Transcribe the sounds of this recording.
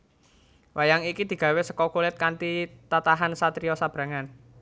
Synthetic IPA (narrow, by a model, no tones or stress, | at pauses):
wʔajaŋikid̪̥i̤ɡ̥ä̤wesəkɔkulɪt̪̚kant̪it̪at̪aɦansat̪ɾiɔsab̥ɾa̤ŋan